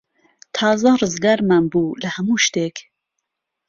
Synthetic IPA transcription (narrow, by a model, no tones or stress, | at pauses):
t̪ʰɑːzɐrɨzɡaːɾmanbuːlɐhɐmuːʃt̪eːk